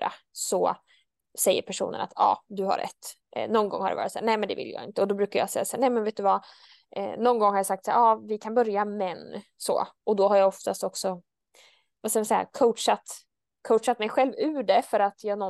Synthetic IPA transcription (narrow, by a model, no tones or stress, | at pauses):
a̰sɔ | sɛjːə̰ɾpʰæʂṵːnə̰na̰t̪ʰɑ̰ːd̪ɵha̰ɾʔɛ̰t̪ː | nɔnːɡɔ̰ŋhaɾɖɛvɑ̰ːɾɪt̪sæːɾnɛmɛnd̪ɛvɪ̰ljɑ̰ːɪ̰nt̪əɔd̪ɔbɾʉ̟ːkaɾja̰sɛjːasæːnɛjmɛnveːt̪d̪ɵva̰ | nɔnːɡɔŋhaɾjasak̚t̪saːɾɑːvɪkʰanbœɾjamɛnso̰ːɔd̪ɔɦaɾjaɔft̪ast̪ɔksɔ | vaskavɪsɛjːa̰kʰoʂat̪ | kʰowʂat̪mɛjɧɛlvʉ̟ːɖɛfœɾat̪ʰjɑːɡnɔ